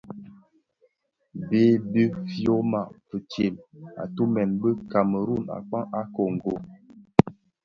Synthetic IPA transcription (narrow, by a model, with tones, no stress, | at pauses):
beː˦be˦fjo˦ma˨fə˨t͡ʃje˨ma̰˨tu˦mɛ˨nbə˦ka˨mə˨ɾu˦˨na̰˨k͡pa˦ŋa˦ko˨ŋ˨ɡo˨